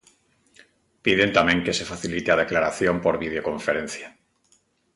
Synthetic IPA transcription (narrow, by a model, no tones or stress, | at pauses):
piðe̞nt̪amẽŋke̞se̞faθilit̪eað̞eklaɾaθjo̞mpoɾβið̞eoko̞ɱfeɾẽnθja